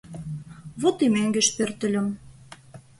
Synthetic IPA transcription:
βot̪imeŋɡĕʃpørt̪ə̆lʲə̆m

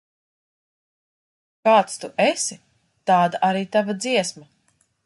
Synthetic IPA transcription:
kaːt̪st̪uʔɛsi | t̪aːd̪aʔaɾiːt̪avad̪ziɛsma

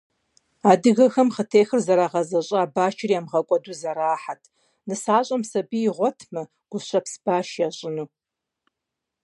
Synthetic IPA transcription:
aːdɨɣɐxɐmχətʰeːxɨrzɐɾaːʁɐzɐɕʼɐaːbaːt͡ʃʰɪriaːmʁɐkʷʼɔduːzɐɾaːħatʰ | nɨsaːɕʼɐmsɐbiːʁʷɔtʰmɐ | ɡ̥ʷʊɕɐpsb̥aːʃjaːɕʼɪnuː

